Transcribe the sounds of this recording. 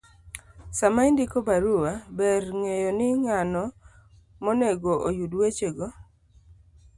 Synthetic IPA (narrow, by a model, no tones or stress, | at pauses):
samaindɪkobaɾuwabɛrŋejonɪŋanɔ | moneɡoʔojudwet͡ʃeɡɔ